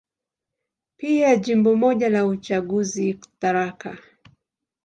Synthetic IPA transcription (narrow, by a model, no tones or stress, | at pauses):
piaʄimbɔmɔʄalaut͡ʃaɠuziku̥taɾaka